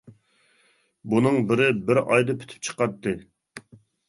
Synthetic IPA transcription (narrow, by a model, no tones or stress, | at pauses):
bunɨŋbɪɾɪbɪɾɑjd̪ɨpʰy̥t̪ʰy̥p̚t͡ʃʰə̥qɑt̪ːɨ